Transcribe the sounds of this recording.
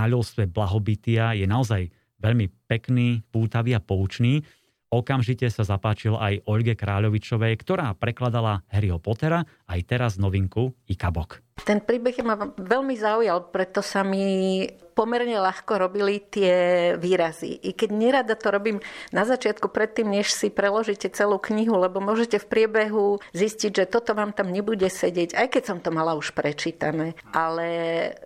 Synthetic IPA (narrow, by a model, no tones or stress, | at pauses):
aʎɔlst̪ʋɛblaɦɔbit̪iajɛnaɔzaj | ʋɛʎmipɛkniːpuːt̪aʋiapɔut͡ʃniː | ɔkamʒicɛsazapaːt͡ʃilajʔɔʎɡɛkɾaːʎɔʋit͡ʃɔʋɛjkt̪ɔɾaːpɾɛklad̪alaɦɛɾiɦɔpɔt̪ɛɾa | ajt̪ɛɾaznɔʋiŋkuikabɔk | t̪ɛnpɾiːbɛɣjɛmaʋɛʎmizaujalpɾɛt̪ɔsamipɔmɛɾɲɛlaxkɔɾɔbilit̪ɪɛʋiːɾazḭʔikɛɟɲɛɾad̪at̪ɔɾɔbiːmnazat͡ʃɪat̪kupɾɛt̪ːiːmɲɛʃsipɾɛlɔʒicɛt͡sɛluːkɲiɦulɛbɔmʊɔʒɛcɛfpɾɪɛbɛɦuzisciɟʒɛt̪ɔt̪ɔʋaːmt̪amɲɛbuɟɛsɛɟɪɛɟajkɛcsɔmt̪ɔmalauʃpɾɛt͡ʃiːt̪anɛːʔalɛ